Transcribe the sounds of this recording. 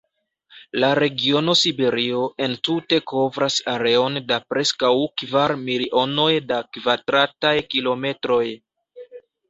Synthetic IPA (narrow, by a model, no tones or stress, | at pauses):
laɾe̞ɡio̞no̞sibe̞ɾio̞ʔe̞ntute̞ko̞vɾasaɾe̞o̞ndapɾe̞skawkvaɾmiɾiʔo̞no̞jdakvadɾatajkilo̞me̞tɾo̞j